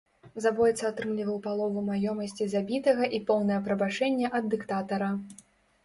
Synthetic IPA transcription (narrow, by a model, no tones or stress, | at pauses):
zabɔjɛt̪sɐat̪ɾɨmlʲivɐwpalˠɔvumajɔmɐsʲt͡sʲizabʲit̪ɐɣɐʔipɔwnɐjɐpɾɐbat͡ʂɛnʲːɛʔɐd̪ːɨkt̪at̪ɐɾɐ